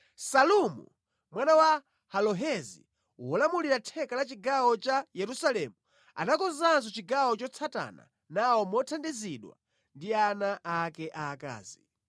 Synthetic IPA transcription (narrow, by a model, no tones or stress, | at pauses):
salumṵ | mwanawa | halɔɦɛzḭ | uwɔlamuliɾatʰɛkalat͡ʃiɡawɔt͡ʃajɛɾusalɛmu | a̰nakɔzanz̬ɔt͡ʃiɡawɔt͡ʃɔt͡sʰata̰na̰ | nawɔmɔtʰandiziɗwa̰ | ndianaʔːkɛʔaːka̰ːzi